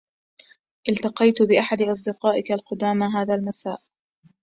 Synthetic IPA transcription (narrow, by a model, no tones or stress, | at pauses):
ʔɪlt̪ɑqɑjt̪bɪʔaħad̪ɪʔɑs̬ˤd̪ɪqɑːʔɪkalqʊd̪aːmaɦaːðaːlmasaːʔ